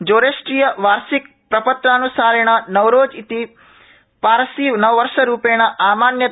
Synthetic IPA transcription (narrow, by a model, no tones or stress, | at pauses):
d͡ʒoːɾeːsʈɾiːjɐʋaːɾsik̚ | pɾɐpɐt̪ɾaːnusaːɾɐɳ̃ɐnɐwɾoːd͡ʒit̪i | paːɾɐsinɐʋɐʋɐɾʂɐɾuːpeːɳ̃ɐʔaːmaːnjɐ